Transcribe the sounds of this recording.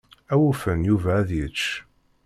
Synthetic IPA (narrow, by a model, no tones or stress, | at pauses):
æwufənjuvæːðjət͡ʃː